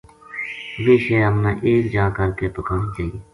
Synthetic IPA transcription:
ʋeːʃeːəmnaːʔeːkd͡ʒãːkəɾkeːp̪əkaːnd͡ʒai

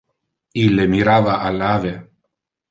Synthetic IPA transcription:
ilːemiɾaːvaʔalːaːve

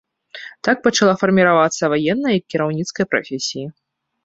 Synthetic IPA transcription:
t̪ak̚pɐt͡ʂalˠafɐrmʲiɾavat̪sːɐvajɛnːɐjɐkʲːiɾawnʲit̪skɐjpɾa̰fʲesʲiji

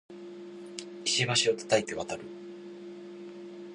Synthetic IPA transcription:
iɕiβaɕio̞t̪ḁt̪ait̪e̞βat̪aɾɯ̟

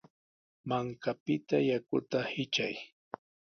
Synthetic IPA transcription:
maŋkapɪt̪ajakʊ̰t̪ahɪt͡ʃa̰j

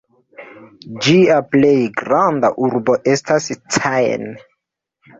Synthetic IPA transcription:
d͡ʒiaplejɡɾandaʔuɾboʔe̞stastʰaj̰n

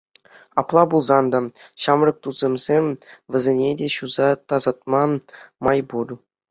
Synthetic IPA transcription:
ɑ̰plˠɑbulˠzɑnd̪ɑɕɑmrɤ̆k̚t̪uz̥ʲemʲzʲemʲʋʲɘ̆zʲenʲedʲeɕuzɑt̪ɑzɑt̪̚mɑmɑjburʲ

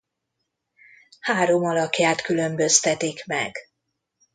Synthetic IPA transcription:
haːɾo̞mɒlɒkjaːt̪kylø̞mbø̞st̪ɛt̪ikmɛ̰ɡ̥

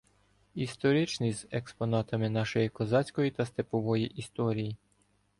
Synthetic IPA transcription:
ist̪ɔɾʲit͡ʃnizekspɔnɑt̪ɐmɪnɑʃɔjikɔzɑt͡sʲkɔjit̪ɐst̪epɔʋɔjiʔist̪ɔɾʲiji

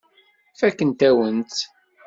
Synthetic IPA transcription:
fækːənt̪æwənt̪

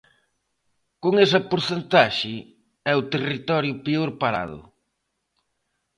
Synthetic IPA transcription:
koŋesɐpoɾθent̪aʃɪ | ɛʊt̪erit̪ɔɾjʊpeoɾpaɾa̰ðʊ̰

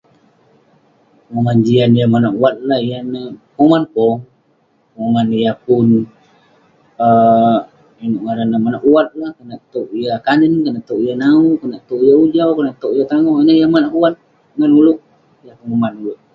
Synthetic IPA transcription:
ŋoŋand͡ʒianjamanaʔuwat̪̚lahijanamomanpɔ | ŋoŋanjapʊn | ə | inoʔŋaɾanamanaʔuwat̪̚lahkənaʔt̪oʔijakanənkanaʔt̪oʔijanaukənaʔt̪oʔijaud͡ʒawkənaʔt̪oʔijat̪aŋɔhanajamanaʔuat̪̚ | ŋanulʊk̚ | japunmomanulʊk̚

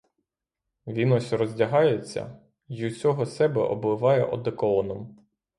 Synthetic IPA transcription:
ʋʲinɔsʲrɔzʲdʲɐɦɑjet͡sʲːɐ̰ | jut͡sʲɔɦɔsɛbɛ̰ʔɔ̰blˠɪʋɑjɛʔɔd̪ekɔlˠɔnɔm

